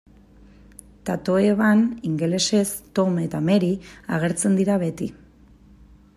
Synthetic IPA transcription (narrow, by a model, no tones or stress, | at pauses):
t̪at̪o̞eβaniŋɡe̞le̞se̞st̪o̞me̞t̪ame̞ɾiaɣ̞e̞ɾt͡se̞nd̪iɾaβet̪i